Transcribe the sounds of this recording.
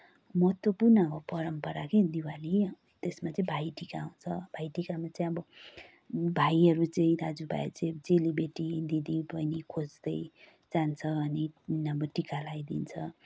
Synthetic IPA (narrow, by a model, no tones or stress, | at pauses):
mʌɦt̪wʌpurnʌkʌpʌɾʌmpʌɾaked̪iwali | t̪esmat͡sʌĩbʱajʈikaːw̃t͡sʰʌbʱajʈikamat͡sʌĩʌbʌ | bʱajʌɾut͡sʌĩdad͡zubʱa̰jḛt͡sẽd͡zelibeʈid̪id̪ibʌjnikʰod͡zd̪ʌj | d͡zant͡sʰʌʌniʌbʌʈikalajd̪ḭnt͡sʰʌ